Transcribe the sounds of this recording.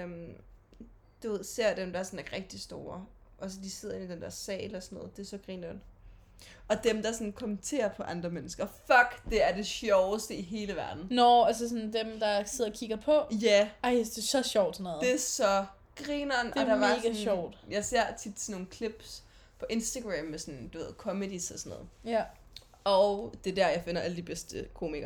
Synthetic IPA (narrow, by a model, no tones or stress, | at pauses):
øm | d̥uʋe̝ð̞ˠse̝ɐ̰d̥emd̥ɑ̈ɐsɒ̽næʁɛɡ̥̚d̥isd̥o̝ːɐ | ʔɒ̽səd̥ise̝ð̞̰ˠɐe̝nid̥end̥ɛɐsɛ̰ːlɒsɔnɔ̽ːð̩ˠd̥e̝æɐsɒ̽ɡ̥ʁiːnɒn | ɒ̽d̥emd̥ɑsɒ̽nkʰɒ̽mənt͡sʰe̝̰ːɐpʰɒ̽ʔɑ̈nd̥ʁɐmenəsɡ̥ɐfɒɡ̥d̥e̝æɐde̝ɕɒʊəsd̥əiɦe̝ːləʋæɐd̥n̩nɒæls̬əs̬ɔnd̥emd̥ɑ̈se̝ð̰ˠkʰiɡ̥ɐpʰɒ̽jæɑ̈ɪsd̥e̝sɒ̽ɕɒʊ̰d̥snɔðˠd̥e̝æɐsɒ̽ | ɡ̥ʁinɒndɒd̥ɑ̈ʋɑ̈ːɡ̥æɕɒʊ̰d̥jɑ̈ɪse̝ɐ̰t͡sʰid̥sno̝ːn̩kʰleb̥s | pʰɒ̽ʔe̝nsd̥æɡ̥ʁɛmːesɔ̽nd̥uʋe̝ð̩̰ˠkʰɒ̽məd̥isɒsɔnɔ̰ːð̩ˠ | ʔɒʊd̥e̝d̥æɐjɑ̈ɪfe̝nɐʔæləd̥ib̥esd̥əkʰo̝̰ːmiɡ̥ɐ